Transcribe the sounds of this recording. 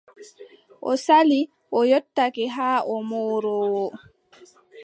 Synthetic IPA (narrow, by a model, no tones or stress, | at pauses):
ʔɔ̰sali | ʔɔjɔtːakɛɦaːʔɔmɔːɾɔːwɔ